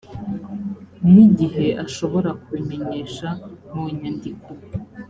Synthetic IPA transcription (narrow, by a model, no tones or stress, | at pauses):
miɟiɦe̞ʔaʃo̞βo̞ɾakwime̞ɲeʃamuɲandiko